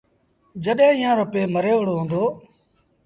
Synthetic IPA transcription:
d͡ʒəɗɦẽːɪːãːɾəpeːməɾeːʋəɽoːɦõːnd̪oː

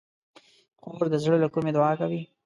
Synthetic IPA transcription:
qoɾd̪əzɽəlakumed̪ʊɑkawi

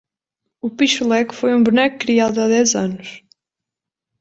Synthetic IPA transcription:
upiʃulˠɛkfojũbunɛkkːɾiaðuaðɛzanʊʃ

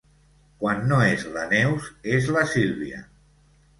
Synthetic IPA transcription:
kwanːoezlanɛwzezləsilˠβiə̰

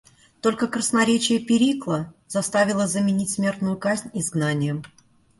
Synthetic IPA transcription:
t̪o̞lʲkəkrəsnɐɾʲet͡ɕɪjəpʲɪɾʲiklˠəzɐst̪avʲɪlˠəzəmʲɪnʲitʲsmʲe̞rt̪nʊjʊkazʲnʲɪzɡnanʲɪjəm

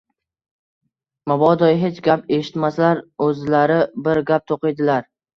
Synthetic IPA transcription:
mabɒd̪ɒjɦe̞t͡ʃɡʲape̞ʃɪ̥t̪maslaɾɵzlaɾɪbɪɾɡʲap̚t̪ʰoqɨjd̪ɪlaɾ

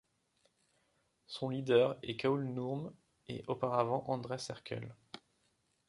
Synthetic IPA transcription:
sɔ̃lid̪œʁɛkaulnuʁm | ḛʔopaʁavɑ̃ʔɑ̃d̪ʁesɛʁkʲʰœ̰l

